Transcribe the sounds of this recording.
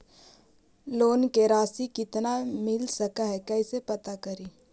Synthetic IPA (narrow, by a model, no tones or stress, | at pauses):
loːnkeɾaːsikɪt̪namɪlsɐkaɦɛkɛɪsepɐt̪akɐɾiː